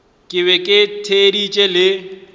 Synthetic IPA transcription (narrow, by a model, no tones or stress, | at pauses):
kʼɪβɛkʼɪtʰedit͡ʃʼɛlɪ